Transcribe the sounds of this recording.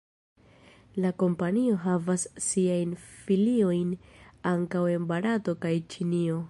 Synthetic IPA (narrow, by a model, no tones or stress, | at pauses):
lako̞mpanio̞ɦavasːiajnfilio̞jnaŋkawe̞nbaɾato̞kajt͡ʃinio̞